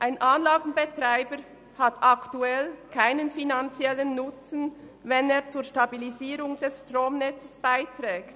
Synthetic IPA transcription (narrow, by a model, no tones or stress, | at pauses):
ʔaɪnʔaːnlaːɡn̩betʁ̥aɪbəɾ | hatʰaktuɛlkʰaɪnənfinant͡sjɛlənːʊt͡sn̩ | vɛneːɐt͡suːɐʃtabiliziːɾʊŋd̥ɛsʃtʁoːmnɛt͡səsb̥aɪtʁɛːkt